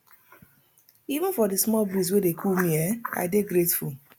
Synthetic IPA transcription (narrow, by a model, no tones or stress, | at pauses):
ivũnfɔdismɔlbis̬wedekʰulmĩɛa̰ɪdeɡɾetful